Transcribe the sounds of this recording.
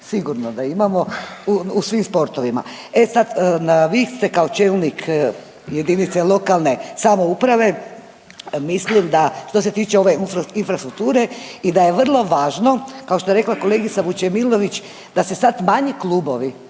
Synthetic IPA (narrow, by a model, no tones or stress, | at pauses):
siɡuɾnod̪aimamo̞uusʋimspo̞ɾt̪o̞ʋima̰ | e̞sad̪naʋist̪e̞kao̞t͡ʃeːlnikʰ | je̞d̪init̪se̞lˠo̞kalˠne̞samo̞upɾaʋe̞ | mislimd̪aʃt̪o̞set̪iːt͡ʃeo̞ʋe̞infɾast̪ɾuk̚t̪uːɾe̞id̪aje̞ʋr̩lˠo̞ʋaːʒno̞kao̞ʃt̪oeɾeklako̞le̞ːɡit̪saʋut͡ʃemilo̞ʋit͡ʃ | d̪̥asesad̪maɲiklubo̞ʋi